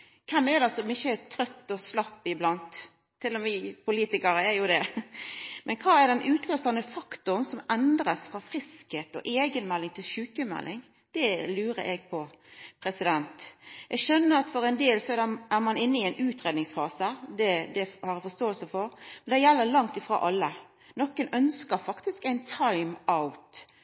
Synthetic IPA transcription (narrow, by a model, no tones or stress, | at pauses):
kʰɛmːɛd̪ɛsɔmɪçːət̪ʰɾœt̪ːɔslɑpːɪblɑnt̪ʰː | ɪlːɔmʋɪpʰʊliːt̪ɪkɑɾəæɾjʊd̪ɛ | mʔɛnkʰɑːæɾɖ̪ɛnʔʉːt̪ʰløːsɑnəfɑkt̪ʊnsɔmɛnd̪ɾɑsfɾɑfɾɪskheːt̪ɔ̰ʔeːɡənmɛlːɪŋt̪ʰɪlʃʉːkəmɛ̰lːɪŋ | d̪̥ɛlʉːɾə̰ʔɛɡ̚pʰɔ | pʰɾɛsɪd̪ɛnt̪ʔɛɡʃœnːəɾɑt̪fɔɾɛɪnd̪eːlsɔædɛʔæmɑnɪnːəɪæɪnʉːt̪ɾeːd̪nɪŋsfɑːsəd̪ɛd̪ɛhɑɾɛfɔst̪oːəlsəfɔɾmɛnd̪ɛjɛlːəlɑŋt̪ɪfɾo̰ːʔɑlːə | nɔkːənœnskəɾfɑkt̪ɪskæɪnt̪ʰɑɪmaʊt̪